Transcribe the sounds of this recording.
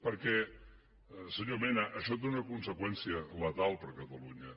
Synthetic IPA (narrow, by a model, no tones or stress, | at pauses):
pəɾkɛ | səɲomɛnəʔəʃɔt̪̬eunəkunsəkwɛnsiələt̪alˠpəɾkət̪əluɲə